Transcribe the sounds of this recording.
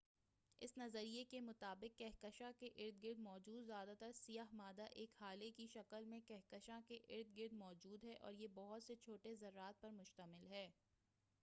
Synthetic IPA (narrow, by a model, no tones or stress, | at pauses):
ɪ̰snɐzəɾijekemʊt̪aːbɪkːɛɦkəʃãkeʔɪɾd̪̚ɡɪɾd̪mɔːd͡ʒuːd̪zjaːd̪at̪ɐɾsijaːɦmaːd̪aʔeːkhaːlekiʃɐkəlmẽkɛɦkəʃãkeʔɪɾd̪̚ɡɪɾd̪mɔːd͡ʒuːd̪ɦɛʔɔ̰ːɾjebɔɦʊt̪set͡ʃʰoːʈezɐɾːaːt̪̚pɐɾmʊʃt̪əmɪlɦɛː